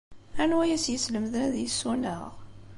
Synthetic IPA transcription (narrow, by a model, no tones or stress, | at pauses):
ænwæjæsjəsləmðənæðjisːunə̰ʁ